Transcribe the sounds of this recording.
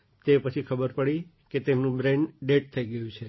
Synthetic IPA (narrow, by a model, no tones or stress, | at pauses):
t̪epət͡ʃʰikʰəbəɾpəɽi | ket̪enũbɾeɳɖɖeʈ̚t̪ʰəiɡəjũt͡ʃʰe